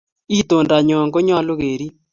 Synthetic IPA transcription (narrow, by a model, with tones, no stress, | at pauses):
i˦to˨nda˨ɲɔ˨ŋɡo˦ɲɔ˦lo˦ɣe˨ɾi˦